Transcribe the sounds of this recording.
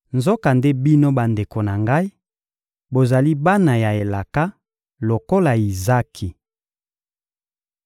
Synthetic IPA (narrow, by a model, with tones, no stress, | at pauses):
nzo˦ka˨nde˦bi˦no˦ba˨nde˨ko˨na˨ŋɡa˦i˦ | bo˨za˨li˦ba˦na˨ja˨e˨la˨ka˦ | lo˨ko˦la˨i˨za˦kʰi˨